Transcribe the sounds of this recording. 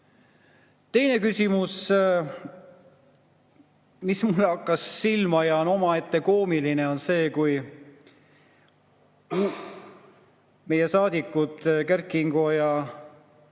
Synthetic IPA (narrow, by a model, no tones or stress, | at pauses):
t̪e̞jne̞kysʲimus | mismulːeɑkːˑɑsːilmɑjɑno̞mɑe̞t̪ːe̞ko̞ːmiline̞o̞nse̞ːkuj | mu | me̞jesɑːd̪̥ikːˑud̪̥kærkiŋɡ̥ojɑ